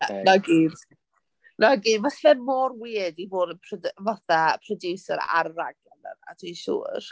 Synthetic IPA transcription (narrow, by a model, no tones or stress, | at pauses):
anaɡiːd | naɡiːdvaɬɛnmoːrwiːədivoːdənpʰrɔdvaθapʰrɔduːsəɾa̰rːaɡɛlə̰na̰tʰiʃṵːr